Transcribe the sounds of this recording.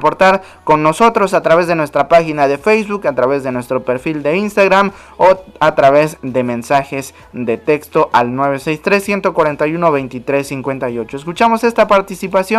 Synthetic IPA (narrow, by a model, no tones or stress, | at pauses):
po̞ɾt̪aɾ | ko̞nːo̞so̞t̪ɾo̞sat̪ɾaβe̞zðe̞nwe̞st̪ɾapaxinaðe̞fejzβukat̪ɾaβe̞zðe̞nwe̞st̪ɾo̞pe̞ɾfild̪e̞inst̪aɣɾam | oat̪ɾaβe̞zðe̞mẽ̞nsaxe̞z | d̪e̞t̪e̞kst̪o̞ʔalnwe̞βese̞jst̪ɾe̞sːje̞nt̪o̞kwaɾe̞nt̪ajuno̞βe̞jnt̪it̪ɾe̞sːiŋkwe̞nt̪ajo̞t͡ʃo̞es̬kut͡ʃamo̞se̞st̪apaɾt̪isipasjo